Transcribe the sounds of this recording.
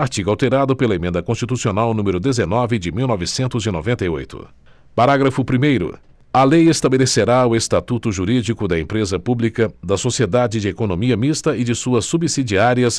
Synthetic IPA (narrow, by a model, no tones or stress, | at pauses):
aɾt͡ʃiɡuawt̪eɾad̪ʊpelɐemẽnd̪ɐkõst͡ʃit̪usionawnũmeɾʊd̪ezenɔvɪd͡ʒɪmiwnɔvɪsẽnt̪ʊzɪno̰vẽnt̪ɐjo̰jt̪ʊ̰ | paɾaɡɾɐfʊpɾimejɾʊ̰ | ɐlejest̪abeleseɾaʊest̪at̪ut̪ʊʒuɾid͡ʒikʊd̪ɐẽpɾezɐpublikɐd̪ɐsosied̪ad͡ʒɪd͡ʒɪekonõmiɐmist̪ɐɪd͡ʒɪsuɐsːubisid͡ʒiaɾiɐs